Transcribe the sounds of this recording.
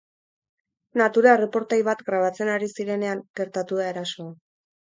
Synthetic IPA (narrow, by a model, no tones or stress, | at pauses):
nat̪uɾaere̞po̞ɾt̪ajβat̪ɡɾaβ̞at͡se̞naɾisiɾe̞ne̞aŋɡ̥e̞ɾt̪at̪uðae̞ɾaso̞a